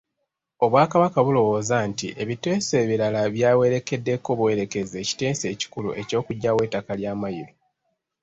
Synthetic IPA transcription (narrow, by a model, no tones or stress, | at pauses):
o̞βwaːkaβakaβulo̞wo̞ːzantḭʔe̞βite̞ːse̞ːβiɾalaβjaːwe̞ɾe̞ke̞dːe̞kːo̞βwe̞ɾe̞ke̞ze̞ːci̥te̞ːnse̞ːci̥kulṵʔe̞co̞ːkuɟːawe̞ːtːakaljaːmajiɾo